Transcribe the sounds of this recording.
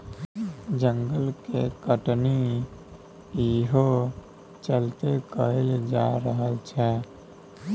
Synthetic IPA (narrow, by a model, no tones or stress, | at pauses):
d͡ʒəŋɡəlkekəʈni | jiɦo | t͡ʃəlt̪ekəeld͡ʒa̰ɾəɦəlt͡ʃʰɛ